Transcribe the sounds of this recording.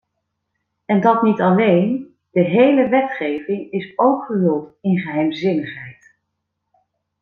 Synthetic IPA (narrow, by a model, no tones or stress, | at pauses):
ɛndɑtnitɑlejn | d̥əɦejləʋɛtχejvɪŋɪsowkχəɦɵlˠtɪnχəɦɛjmzɪnəχɦɛjt